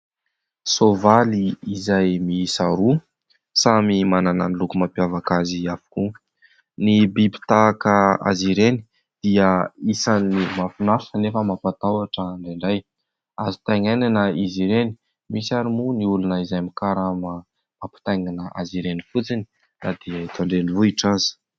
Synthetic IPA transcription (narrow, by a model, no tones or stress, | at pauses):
sovaliizajmisaɾu | samimanananilukumampjavakaziafu̥ku | nibibi̥t̪akəa̰ziɾeni̥ | d̪̥iəisanimafinaɾsanefəmapat̪awaʈ͡ʂəːɳɖ͡ʐeɳɖ͡ʐaj | azi̥t̪ajŋajnanəiziɾeni̥ | misaɾimuniulunəizajmikaɾamə | mapi̥t̪ajŋanəʔaziɾenifut͡sini̥ | nad̪iait̪aɳɖ͡ʐelivuiʈ͡ʂanzi̥